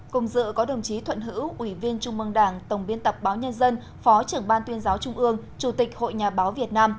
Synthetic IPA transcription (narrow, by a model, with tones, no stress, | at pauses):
kʊ˨˩ŋ͡mzɨ̰˧˨kɔ˨˦ɗə˨˩wŋ͡mt͡ɕi˨˦t̪ʰwə̰˧˨nɦɨ̰˧˥wʔwi˧˩vi˧ənt͡ɕʊ˧ŋ͡mmɨ˧əŋɗaː˧˩ŋt̪ə˨˩wŋ͡mɓi˧ənt̪ə˨˩p̚ɓaː˨˦wɲə˧nzə˧n | fɔ˨˦t͡ɕɨ˨˩əŋɓaː˧nt̪wi˧ənzaː˨˦wt͡ɕʊ˧ŋ͡mʔɨ˧əŋ | t͡ɕu˧˩t̪ï˨˩k̟̚ho̰˧˨jɲaː˨˩ɓaː˨˦wvi˨˩ət̚naː˧m